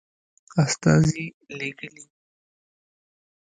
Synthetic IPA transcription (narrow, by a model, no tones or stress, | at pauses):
ast̪ɑ̰zi | leɡəli